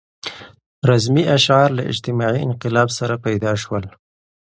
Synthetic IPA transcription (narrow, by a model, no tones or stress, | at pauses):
ɾazmiaʃʕɑɾla̰ʔɪ̰d͡ʒt̪ɪmɑʕiɪnqɪlɑbsaɾapajd̪ɑʃwəl